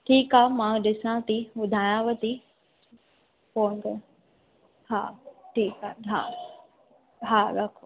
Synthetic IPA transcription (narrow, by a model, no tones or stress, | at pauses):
ʈʰiːkaːmãɗɪsãt̪iʊd̪ʱaːjãʋət̪i | poːnd̪ə | ha̰ːʈʰiːkaːɦa̰ː | ɦaːɾɐkʰo